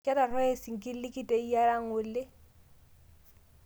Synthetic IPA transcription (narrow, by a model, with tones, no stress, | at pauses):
kʼɛ˦ɾa˨rɔ˦e˦si˨ŋ̩˨kʼɪ˦l̩˦lɪ˦kʼi˦tʼe˨i˦ja˦la˦ŋ̩ʊ˨lɪ˦